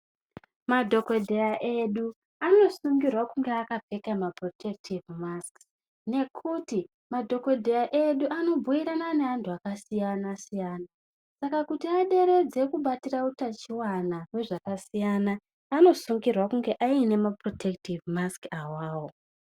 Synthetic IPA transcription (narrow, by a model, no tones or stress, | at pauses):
madʱo̞ko̞dʱe̞raʔe̞ɗu | ano̞suŋɡirwakuŋɡe̞akap͡fe̞kamapro̞tʰek̚tʰivmask | ne̞kʰuti | madʱo̞kodʱejaʔe̞ɗuano̞bʱuiɾanane̞ɦantʰuakasijanasijaːna | sakakutiaɗe̞ɾe̞d͡ze̞kuɓatirautat͡ʃiwanawe̞ʐakasijanaː | no̞suŋɡirwakuŋɡe̞ʔaine̞mapro̞tʰektivmaskawaːwo̞